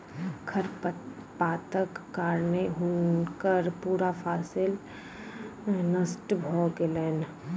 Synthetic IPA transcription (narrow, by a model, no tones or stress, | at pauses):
kʰəɾpaːt̪əkːaːɾneɦunkəɾpuːɾapʰaːsɪl | nəsʈbʱɔɡeleːn